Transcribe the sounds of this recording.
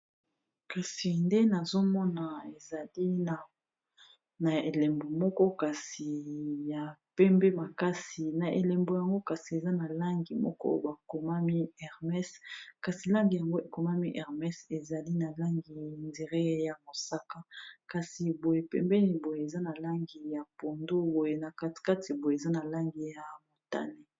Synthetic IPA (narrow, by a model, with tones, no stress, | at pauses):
ka˨si˨nde˦na˨zo˦mɔ˦na˨e˨za˨li˦na˨ | na˨e˨lɛ˨mbo˨mɔ˦kɔ˦ka˨si˨ja˨pɛ˦mbe˦ma˨ka˦si˨na˨ʔḛ˨lɛ˨mbo˨ja˨ŋɡo˦ka˨si˨e˨za˦na˨la˦ŋɡi˨mɔ̰˦kɔ̰˦o̰˦ba˨ko˨ma˦mi˦ɛ˨ʁmɛ˦ska˨si˨la˦ŋɡi˨ja˨ŋɡo˦e˨ko˨ma˦mi˦ʔɛ˨ʁmɛ˦se˨za˨li˦na˨la˦ŋɡi˨nde˨ʁe˦ja˨mo˨sa˦ka˦ka˨si˨bo˨je˨pɛ̰˦mbɛ˦ni˦bo˨je˨e˨za˦na˨la˦ŋɡi˨ja˨po˨ndo˦bo˨je˨na˨ka˦tka˦ti˨bo˨je˨za˦na˨la˦ŋɡi˨ja˨mo˨ta̰˦ne˦